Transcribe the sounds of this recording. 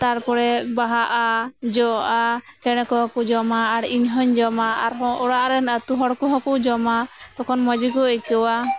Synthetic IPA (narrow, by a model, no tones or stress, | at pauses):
t̪aɾpɔɾɛbaɦaʔad͡ʒɔʔa | t͡ʃɛɽ̃ɛkɔɦɔ̃kud͡ʒɔmaːɽiɲɦɔɲd͡ʒɔmaaɾɦɔ̃ʔɔɽaʔɾɛnat̪uɦɔɽkuɦɔ̃kud͡ʒɔmat̪ɔkʰɔnmɔd͡ʒikɔɛkɛwa